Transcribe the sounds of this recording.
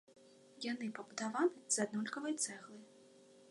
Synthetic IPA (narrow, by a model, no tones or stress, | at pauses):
janɨpɐbud̪avanɨz̥ad̪nɔlʲkɐvɐjt̪sɛɣlˠɨ